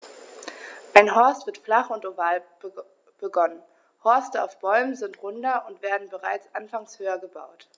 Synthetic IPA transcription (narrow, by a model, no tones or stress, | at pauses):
ʔaɪnɦɔɐstv̥ɪɐtflaχʊntovaːl | b̥əɡɔnən | hɔɐstəa̰ʊfb̥ɔʏmənzɪntʁʊndɐʊntv̥eːɐdn̩bəʁaɪt͡sʔanfaŋshøːɐɡəba̰ʊt